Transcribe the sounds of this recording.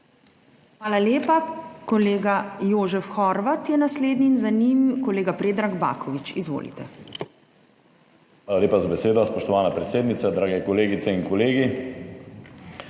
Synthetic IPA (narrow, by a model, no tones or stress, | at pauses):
xʋaːlaleːpakɔleːɡajoːʒɛfxɔɾʋat̪jɛnasleːd̪niːnzanimkɔleːɡapɾeːd̪ɾaɡba̰ːkɔʋit͡ʃizʋo̰ːlḭt̪ɛ | ʋaːlaleːpazabɛseːd̪ɔspɔʃt̪ɔʋaːnapɾɛt̪seːd̪nit̪sad̪ɾaːɡɛkɔleːɡit̪sɛinkɔleːɡi